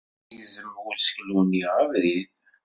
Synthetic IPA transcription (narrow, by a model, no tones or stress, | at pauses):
jəzəmːəʁʊsɡluniʁəvɾið